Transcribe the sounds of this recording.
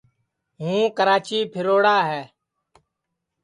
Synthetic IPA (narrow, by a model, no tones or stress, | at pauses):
ɦũːkəɾaːt͡ʃiːpʰɪɾoːɽaːɦɛː